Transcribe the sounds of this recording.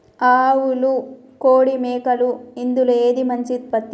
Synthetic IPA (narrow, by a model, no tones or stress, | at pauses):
aːwulu | koːɽimeːkɐluind̪uleːd̪imɐɲt͡ʃit̪̚pɐt̪ː